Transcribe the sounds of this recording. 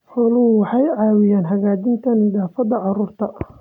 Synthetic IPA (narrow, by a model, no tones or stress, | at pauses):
ħɔːlʊʊwɑħɑjʕɑːwɪjaːnɦɐɣaːd͡ʒɪnt̪ʰɐnɪðaːfɐðɐʕɑruːrt̪ʰɐ